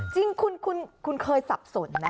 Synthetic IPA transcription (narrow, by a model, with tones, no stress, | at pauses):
t͡ɕi˧ŋkʰu˧nkʰu˧nkʰu˧nkʰɤː˧jsa˨˩p̚so˨˩˦nːa˦˥